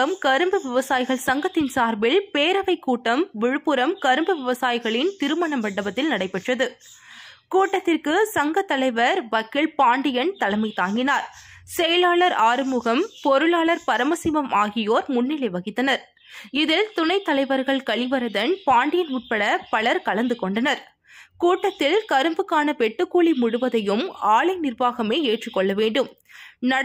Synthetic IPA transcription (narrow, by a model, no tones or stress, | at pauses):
ɐmkɐɾɯmbɯʋɪʋɐsaːjɪɣɐɭsɐŋɡɐt̪ːɪnsaːɾbɪlpeːɾɐʋɐɪkːuːʈːɐmʋɪɻɯpːɯɾɐmkɐɾɯmbɯʋɪʋɐsaːjɪɣɐɭɪnt̪ɪɾɯmɐɳɐmʋɐɳːɐbɐt̪ːɪlnɐɽɐɪpːɛʈrɐðɯ | kuːʈːɐt̪ːɪrkɯsɐŋɡɐt̪ːɐlɐɪʋɐɾʋɐkːɪɭpaːɳɖɪjɐnt̪ɐlɐɪmɐɪt̪ːaːŋɡɪnaːɾsɛjɐlaːɭɐɾaːɾɯmʊɣɐmpɔɾɯɭaːɭɐɾpɐɾɐmɐsɪʋɐmaːɣɪjoːɾmʊnːɪlɐɪʋɐɣɪt̪ːɐnɐɾ | ɪðɪlt̪ʊnɐɪt̪ːɐlɐɪʋɐɾɣɐɭkɐɭɪʋɐɾɐðɐnpaːɳɖɪjɐnuːʈ̚pɐɽɐpɐɭɐɾkɐlɐnd̪ɯkɔɳɖɐnɐɾ | kuːʈːɐt̪ːɪlkɐɾɯmbɯkːaːnɐpɛʈːɯkːuːɭimʊɽɯʋɐðɐjɯmaːɭɐɪnɪrʋaːɣɐmeːeːʈrɪkːɔɭːɐʋeːɳɖɯm | nɐ